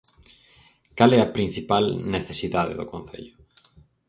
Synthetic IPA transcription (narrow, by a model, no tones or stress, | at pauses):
kalɛɐpɾĩn̟θipalneθesiðaðḛðʊkõn̟θḛʎʊ